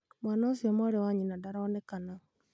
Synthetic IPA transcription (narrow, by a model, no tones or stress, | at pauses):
mwaːnaosiɔmɔɾewaɲinadaɾaːnɛkana